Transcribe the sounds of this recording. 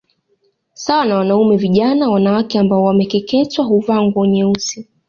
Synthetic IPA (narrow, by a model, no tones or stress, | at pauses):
sawanawanaumɛviʄanawanawakɛambaɔwamɛkɛkɛtwaɦuvaŋɡɔɲɛusi